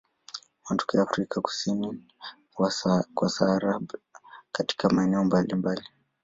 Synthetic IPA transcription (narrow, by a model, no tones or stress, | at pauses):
wandukujaːfɾikʰaku̥sini | wkwasaːɾaɓkati̥kamaɛnɛɔmbalimbali